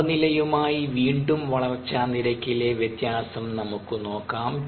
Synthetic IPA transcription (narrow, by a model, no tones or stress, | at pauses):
nilɐjumaːjiʋiːɳɖumʋɐɭɐrt͡ɕːaːnːiɾɐkʲːileʋjet̪jaːsɐmnɐmukːɨno̞ːkːaːm